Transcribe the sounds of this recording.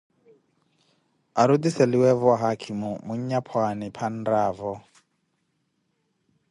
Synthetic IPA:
aɾud̪isɛliwɛβɔɦakʰimumuɲɲapʰwanipʰan̩raːvɔ

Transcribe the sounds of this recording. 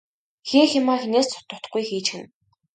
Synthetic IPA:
xeːxɪmaːxeneːst͡sʰʊ̥t̪ə̆t̪̆ɡujxiːt͡ɕxɘ̆n

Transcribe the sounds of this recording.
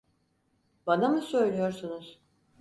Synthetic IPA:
banamɯsø̞jlʲyjo̞ɾsunuz̥

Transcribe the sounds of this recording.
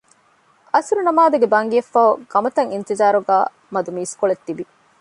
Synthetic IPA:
ɐsɾunɐmaːd̪uɡebɐŋɡiɐfːaːoɡɐmɐt̪ɐŋint̪izaːɾuɡaː | mɐd̪umiːskoɭet̪ːiʋi

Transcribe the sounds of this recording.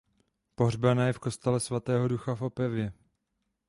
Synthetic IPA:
poɦrbanajɛfko̞st̪ɛlɛsvat̪ɛːɦo̞duxafo̞pɛvjɛ

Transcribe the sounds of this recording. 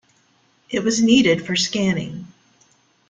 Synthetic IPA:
ʔɪt̚wʌzniɾɪd̥fə˞skæ̃nɪ̰̃ŋ

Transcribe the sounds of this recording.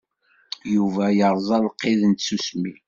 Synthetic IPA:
juvæjəɾˤðˤɑlqːeðənt̪susmḭ

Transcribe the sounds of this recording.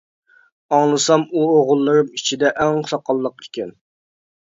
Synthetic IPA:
ɑŋlˠɨsɑmuoʁʊlˠːɨɾɨmit͡ʃʰid̪ɛʔæŋʊ̥sɑqʰɑlˠːəqikʲɛn

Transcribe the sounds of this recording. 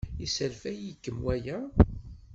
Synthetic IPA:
isælfæjikːəmwæjæ

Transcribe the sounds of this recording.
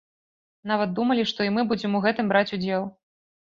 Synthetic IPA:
n̪avɐt̪̚d̪umɐlʲiʂt̪ɔimɨbud͡zʲɛmuɣɛt̪ɨmbɾat͡sʲud͡zʲɛlˠ

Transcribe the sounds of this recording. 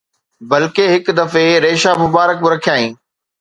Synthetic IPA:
bɐlkeɦɪkd̪ɐfeɾeːʃamʊbaːɾək̚mɪɾɐkʰijaːĩː

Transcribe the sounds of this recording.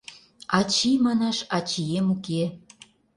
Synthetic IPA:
ɑt͡ɕimɑnɑʃɑt͡ɕijemuke

